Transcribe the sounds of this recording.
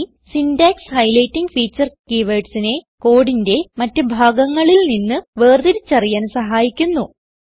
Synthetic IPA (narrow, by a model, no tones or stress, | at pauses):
sindaːkshɐjlɐjtːiŋɡfiːt͡ɕːɐrkiʋɐjʈsine̞ko̞ːɽinde̞mɐtːɨbʱaːɡɐŋːɐɭilninːɨʋeːrd̪iɾit͡ɕːɐrijaːnsɐɦaːjikʲːunːu